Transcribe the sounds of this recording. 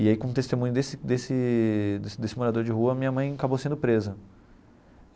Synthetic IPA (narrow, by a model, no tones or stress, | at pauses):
ɪaikõt̪est̪emũɲʊd̪esɪd̪esɪd̪d̪esɪmoɾad̪oɾd͡ʒɪɦuɐmĩɲɐmɐ̃j̃akabosẽnd̪ʊpɾezɐ